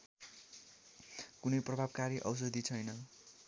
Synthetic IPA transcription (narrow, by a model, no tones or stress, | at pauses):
kunʌjprʌbʱabkaɾiʔʌ̰ws̬ʌd̪ʱit͡sʰʌjnʌ